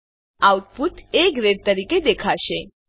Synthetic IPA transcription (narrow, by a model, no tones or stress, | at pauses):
auʈ̚puʈ̪eɡɾeɖ̚t̪əɾiked̪ekʰaʃe